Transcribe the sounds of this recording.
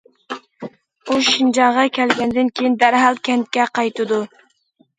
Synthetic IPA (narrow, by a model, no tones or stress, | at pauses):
uʃind͡ʒɑŋʁɑkʲʰælɡʲɛnd̪ɪnkʲʰejind̪æɾɦɑlˠkʲʰɛnt̪̚kʲɛqʰɑjt̪ɨd̪u